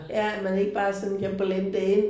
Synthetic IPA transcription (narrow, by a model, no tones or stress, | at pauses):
jææ̥mæne̝ɡ̥əb̥ɑ̈ːsɒ̽nn̩kʰæb̥lenəd̥een